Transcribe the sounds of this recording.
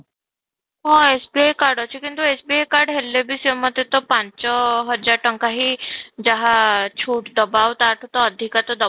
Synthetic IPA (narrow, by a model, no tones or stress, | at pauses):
ɦɔ̃esbiejkaɾɖɔt͡ʃʰekint̪uesbiejkaɾɖɦelːebʱisəmːəd̪et̪ɔpãɲt͡ʃɔɦəɾd͡ʒaʈəŋkaɦid͡ʒaɦat͡ʃʰuːʈd̪əbawt̪aːʈʰut̪ɔːd̪ʱikat̪ɔd̪ə